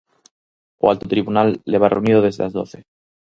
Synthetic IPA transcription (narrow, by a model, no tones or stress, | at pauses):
oa̰lt̪ot̪ɾiβunalːeβ̞arʔḛunið̞oð̞e̞zðelazðo̞̰θe